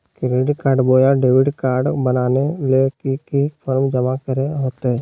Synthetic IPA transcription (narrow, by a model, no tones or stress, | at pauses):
kɪɾeɖkaːɾɖboːjaɖeːʋɪɖkaːɾɖbənaːnelekikipʰəɾmd͡ʒəmakəɾeɦoːt̪ɦɛ